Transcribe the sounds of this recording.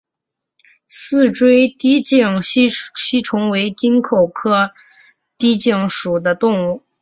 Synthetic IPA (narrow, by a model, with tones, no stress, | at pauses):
sɹ̩˥˧ʈ͡ʂwe˥ɪt̪i˥t͡ɕi˥˩ŋ˥ɕi˥ʈ͡ʂʰʊ˧˥ŋwe˧˥ɪt͡ɕi˥nkʰo˨˩ʊkʰɤ˥ | t̪i˥t͡ɕi˥˩ŋʂu˨˩d̪ə˦t̪ʊ˥˧ŋu˥˩